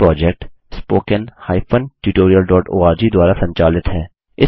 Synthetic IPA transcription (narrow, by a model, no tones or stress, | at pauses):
ɾɔːd͡ʒɛk̚ʈ | spoːkənhaːipʰənʈuːʈoːɾiəlɖɔːʈoːaːɾd͡ʒid̪ʊaːɾasɐ̃ɲt͡ʃaːlɪt̪ɦɛː | ɪ